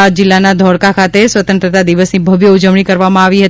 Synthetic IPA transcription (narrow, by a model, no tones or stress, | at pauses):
d͡ʒɪlːanad̪ʱɔɽkakʰat̪esʋət̪ə̃nt̪ɾət̪ad̪iʋəsnibʱəʋjəud͡ʒəʋɳ̃ikəɾʋamãaʋiɦət̪